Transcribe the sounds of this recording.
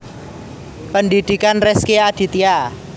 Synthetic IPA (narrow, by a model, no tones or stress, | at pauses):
pəndid̪̥i̤kanrɛskead̥i̤t̪ia